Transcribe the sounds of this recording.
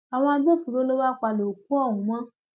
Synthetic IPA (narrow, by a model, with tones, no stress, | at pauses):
a˨w̃ɔ̃˧bo˦˨fu˨ɾo˨˦lo˦wa˦k͡pa˧lo˨k̚ũ˦ɔ˦˨wũ˨˦mã˦